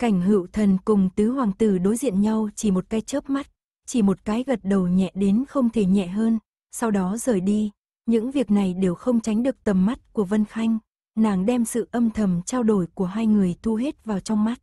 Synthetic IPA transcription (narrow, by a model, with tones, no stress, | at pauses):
ka˧˩jŋ̟ɦɨ̰˧˨wt̪ʰə˨˩nkʊ˨˩ŋ͡mt̪ɨ˨˦hwaː˨˩ŋt̪ɨ˨˩ɗo˨˦jzḭ˧˨ənɲa˧wt͡ɕi˧˩mo˨˩t̚kaː˨˦jt͡ɕəː˦˥p̚ma˦˥t̚ | t͡ɕi˧˩mo˨˩t̚kaː˨˦jɣə˨˩t̚ɗə˨˩wɲɛ̰˧˨ɗe˨˦nxə˧wŋ͡mt̪ʰe˧˩ɲɛ̰˧˨ɦəː˧n | sa˧wɗɔ˨˦zəː˨˩jɗi˧ | ɲɨ̰˧˥ŋvi˨˩ək̚na˨˩jɗe˨˩wxə˧wŋ͡mt͡ɕa˨˦jŋ̟ɗɨ˨˩ək̚t̪ə˨˩mːa˦˥t̚ku˧˩əvə˧nxa˧jŋ̟ | naː˨˩ŋɗɛ˧msɨ̰˧˨ʔə˧mt̪ʰə˨˩mt͡ɕaː˧wɗo˧˩jku˧˩əɦaː˧jŋɨ˨˩əjt̪ʰu˧ɦe˦˥t̚vaː˨˩wt͡ɕɔ˧wŋ͡mma˦˥t̚